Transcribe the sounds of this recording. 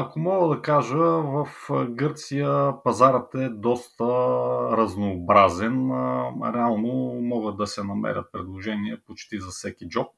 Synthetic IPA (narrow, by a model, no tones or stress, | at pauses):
ɐkomɔɡəd̪ɐkaʒəvɐfɡɤɾt̪sijəpɐzaɾət̪ɛd̪ɔst̪əɾɐznoːbɾazɛnɾɛalˠnomɔɡət̪̚d̪ɐsɛnɐmɛ̰ɾʲə̰t̪̚pɾɛd̪lˠoʒɛniɛpot͡ʃt̪izɐfsɛkid͡ʒɔp̚